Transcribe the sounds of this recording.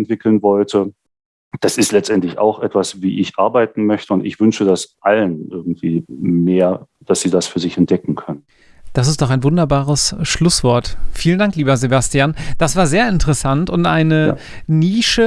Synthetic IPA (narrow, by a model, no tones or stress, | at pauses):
ntv̥ɪkl̩nvɔltʰə | d̥asɪstlɛt͡stʔɛntlɪça̰ʊxʔɛtv̥asvḭːʔɪçʔaɐbaɪtn̩mœçtəʊntɪ̰çv̥ʏnʃədasʔalənʔɪɐɡ̚ŋ̩tv̥iːmeːɐ | d̥asz̥iːdasfyːɐzɪçɛnt̚d̥ɛkŋ̩kʰœnən | d̥as̬ɪstd̥ɔχaɪnvʊndɐbaːʁəsʃlʊsv̥ɔɐtfiːləndaŋkliːbɐzebastiaːnd̥asv̥aːɐzeːɐɪntəʁəsantʊntʔaɪnə | niːʃə